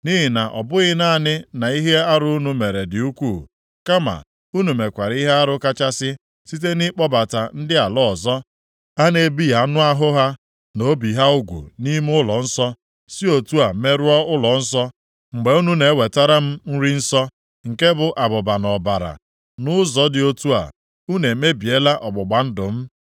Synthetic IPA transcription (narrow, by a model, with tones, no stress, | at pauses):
ni˦ɦi˨na˨ʔɔ̰˨bʊ˦ɣɪ˦na˦˨nɪ˦na˨i˦ɦe˦a˦ɾʊ˦u˦nu˦me˨ɾe˨dɪ˨u˦kʷuː˦˨ | ka˦ma̰˨ | u˦nu˨me˨kʷa˨ɾi˦ɦe˦a˦ɾʊ˦ka˦t͡ʃa˦sɪ˦ | si˦t̬e˦ni˦k͡pɔ˦ba˨ta˨n̩˦dɪ˦a˨lɔ˦˨zɔ˦ | a˦ne˦bi˦ja˨˦nʊ˦a˦ɦʊ˦ɦa˦ | no˨˦bi˨ɦa˦ʊ˦ɡʷṵ˨ni˦m˦ʊ˦lɔ˨n̩˦sɔ˦ | si˦o˨tu˦a˨me˦ɾu˦ɔ˦ʊ˦lɔ˨n̩˦sɔ˦ | ŋ͡m̩˨ɡ͡be˨˦u˦nu˦ne˨˦we˨ta˦ɾa˦m̩˦n̩˦ɾi˦n̩˦sɔ˦ | ŋ̩˨ke˦bʊ˨ʔa˨bʊ˨ba˨nɔ˨ba˨ɾa̰˨ | nʊ˦zɔ˦dɪ˨o˦tu˦a̰˨ | u˦ne˨me˦bi˨e˦la˦ʔɔ˨ɡ͡bʊ˨ɡ͡ba˨n̩˦dʊ˨m̩˦